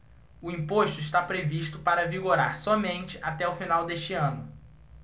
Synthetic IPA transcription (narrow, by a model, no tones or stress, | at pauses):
ʊĩpoʃt̪ʊiʃt̪apɾeviʃt̪ʊpaɾɐviɡoɾa̰ɾsɔmẽnt͡ʃɪʔat̪ɛʊfinawd̪eʃt͡ʃɪɐ̃nʊ